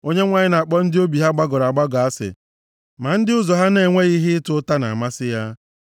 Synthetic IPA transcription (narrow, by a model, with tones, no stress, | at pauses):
o˦ɲe˦ŋʷa˨ɲɪ˦na˨k͡pɔ˦n̩˦dɪ˦o˦bi˨ɦa˦ɡ͡ba˦ɡɔ˨ɾa˨ɡ͡ba˦ɡɔ˨a˦sɪ̰˨ | ma˨n̩˦dɪ˦ʊ˦zɔ˨ɦa˦ne˨ŋʷe˦ɣi˦ɦɪ˦tʊ˦ta˦na̰˨a˨ma˦sɪ˦ja˦